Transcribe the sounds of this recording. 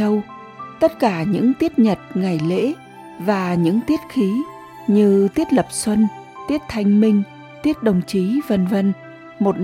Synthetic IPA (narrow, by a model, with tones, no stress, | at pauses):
ə˧w | t̪ə˦˥t̚kaː˧˩ɲɨ̰˧˥ŋt̪i˦˥ət̚ɲə˨˩t̚ŋa˨˩jlḛ˧˥ | vaː˨˩ɲɨ̰˧˥ŋt̪i˦˥ət̚xi˨˦ | ɲɨ˧t̪i˦˥ət̚lə˨˩p̚swə˧n | t̪i˦˥ət̚t̪ʰa˧jŋ̟mï˧ŋ̟ | t̪i˦˥ət̚ɗə˨˩wŋ͡mt͡ɕi˨˦və˧nvə˧n | mo˨˩t̚